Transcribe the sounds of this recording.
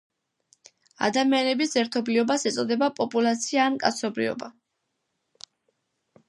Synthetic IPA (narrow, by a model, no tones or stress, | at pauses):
a̰d̪amianɛbisɛɾt̪ʰɔbliɔbasɛt̪sʼɔd̪ɛbapʼɔpʼulˠat̪sʰiaːnkʼa̰t̪sʰɔbɾḭɔ̰ba